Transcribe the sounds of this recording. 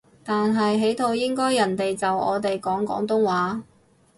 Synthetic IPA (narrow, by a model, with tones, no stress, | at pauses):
t̪aː˨nɦɐ˨jɦe˨˥jt̪ʰo˧wjɪ˥ŋkɔː˥jːɐ˨˩nt̪e˨jt͡sɐ˨wɔ̰ː˨˧t̪e˨jkɔː˨˥ŋkɔ̰ː˨˥ŋt̪ʊ˥ŋwaː˨˥